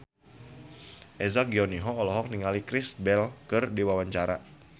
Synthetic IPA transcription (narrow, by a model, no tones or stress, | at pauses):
ʔezaɡiɔniɦɔːlɔɦɔk̚niŋalikɾɪsbɛlkɨrdiwawaɲt͡ʃaɾa